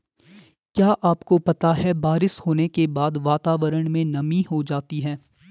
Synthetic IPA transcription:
kjaːʔaːpkopɐt̪aɦɛbaːɾɪshoːnekebaːd̪ʋaːt̪aːʋəɾəɽ̃mẽnɐmiɦod͡ʒaːt̪iɦɛː

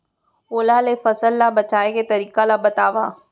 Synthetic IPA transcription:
oːlalefɐsəlːabɐt͡ʃaːeket̪ɐɾiːkalabɐt̪aːʋa̰ː

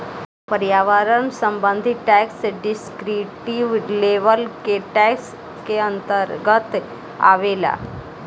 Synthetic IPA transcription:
pəɾjaʋaɾənsəmbənd̪ʱiʈɛksɖiskɾiʈiʋleʋəlkeʈɛks | keənt̪əɾɡət̪ | a̰ʋela̰

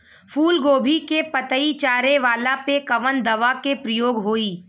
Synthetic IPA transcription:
fuːlɡoːbʱikepɐt̪əit͡ʃaːɾeʋaːlapekɐʋənd̪ɐʋakepɾəjoːɡɦoːiː

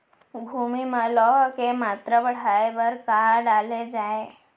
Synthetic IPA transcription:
bʱumimə̃lɔɦkemat̪ɾəbəɽ̤aebəɾkaɾɖaled͡ʒae

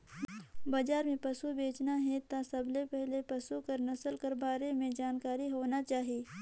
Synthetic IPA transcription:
bad͡ʒaːɾmẽpɐsubeːt͡ʃnaɦɛt̪asɐblepɛɦlepɐsukɐɾnɐsəlkɐɾbaːɾemẽd͡ʒaːnkaːɾiɦoːnat͡ʃaːɦieː

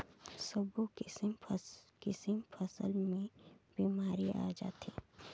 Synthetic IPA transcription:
səbokɪsmkɪsəmpʰəsə̰lmẽb̥iːmaːɾia̰ːd͡ʒa̰ːt̪ʰḭː

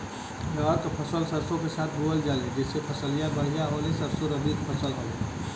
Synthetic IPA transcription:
daaːɾk̪opʰəsəlsəɾsõkesaːt̪̚ʰbʱuəld͡ʒaːled͡ʒɪsːepʰəsəlijabəɽ̤ijaɦoːlesɐɾsoɾəbik̪pʰɐsəlɦoe

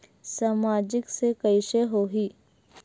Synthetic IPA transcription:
saːmaːd͡ʒɪksekəɪʃeɦoːɦiː

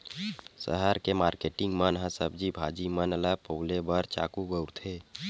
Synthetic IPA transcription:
sə̰ɦəɾkemaːɾkeʈɪŋɡmənɦəsəb̚d͡ʒibʱad͡ʒimənələpəulebəɾt͡ʃa̰ːkubəʊɾt̪ʰe

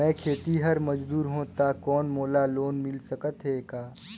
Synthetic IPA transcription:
ɛ̃ːkʰeːt̪iɦɐɾmɐd͡ʒd̪uːɾɦõt̪akɔːnmoːlaloːnmɪlsɐkət̪ɦɛkaː

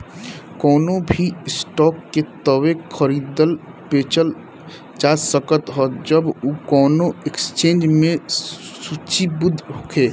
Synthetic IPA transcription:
kɔːnobʱiɪsʈɔːkːet̪əwekʰəɾiːd̪əl | peːt͡ʃəl | t͡ʃaːsəkət̪ɦɔːd͡ʒəbukɔːnoekst͡ʃẽːnd͡ʒmẽsut͡ʃibʊd̪ʱɦokʰeː

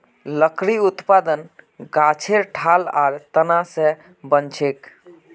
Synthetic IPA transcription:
ləkɾiut̪pad̪ənɡat͡ʃʰeɾʈʰala̰ɾt̪ənasẽ | bənt͡ʃʰek

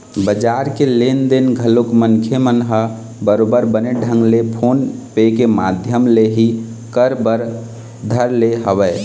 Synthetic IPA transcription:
bəd͡ʒaɾkelend̪enɡʱəlokməŋkʰemənɦə | bəɾobəɾbəneɖʱə̃ŋɡlepʰonpekemad̪ʱjəmleɦi | kəɾbəɾ | d̪ʱəɾleɦəʋɛ

